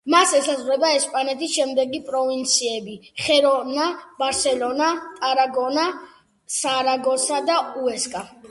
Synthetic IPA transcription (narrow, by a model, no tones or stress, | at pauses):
masɛsazʁɾɛbaɛspʼanɛt̪ʰisʃɛmd̪ɛɡipʼɾɔvint̪sʰiɛbiχɛɾɔnabaɾsɛlɔnat̪ʼaɾaɡɔna | saɾaɡɔsad̪auɛskʼa